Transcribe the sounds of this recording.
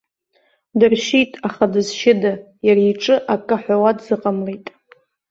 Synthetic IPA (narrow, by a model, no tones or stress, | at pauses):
dɨrʃitʼaχadɨzʃɪda | jaɾaiʈ͡ʂʼɨʔakʼɨħʷᶣawadzɨqʼamlejtʼ